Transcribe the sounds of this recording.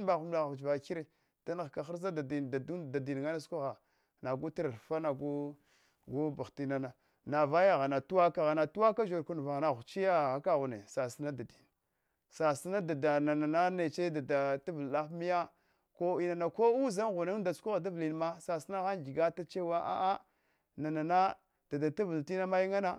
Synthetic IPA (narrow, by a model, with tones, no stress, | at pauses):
ba˨ɣu˨mla˨ɣt͡ʃva˨ki˦ɾe˦˨ | d̥a˦na˨ɣka˨xa˦ɾza˦da˨di˨a˨u˦da˨di˨n˨ɡa˦na˦sku˦ɣa˨ | na˨ɡu˦ta˦ɾa˨ɾfa˦na˨ɡu˦ | ɡu˦ba˨ti˦na˦na˨ | na˨va˦ja˦ɣa˨na˨tu˦wa˦ka˨ɣa˨na˨tu˦wa˦ka˦ʒo˨ɾku˦n˨va˨na˨ɣu˨t͡ʃi˦ja˦˨ɣa˨ka˦ɣu˨ne˨sa˨si˦na˦da˨di˨n | sa˨si˦na˦da˨da˨na˨na˨na˦ne˨t͡ʃe˦da˨da˨ta˦və˨lla˦fmi˦ja˦ | ko˦i˦na˨na˨ko˦u˦za˦nɣu˨ne˦n˦da˨su̥˦ku˦ɣa˨da˦vli˨n˨ma˦sa˨si˦na˦ɣa˦nd͡ʒi˨ɡa˦ta˦t͡ʃe˦wa˦ʔa̰˦ʔa˦ | na˨na˨na˦ | d̥a˨da˨tu˦və˨lti˦na˦ma˦ji˦ŋa˦na˦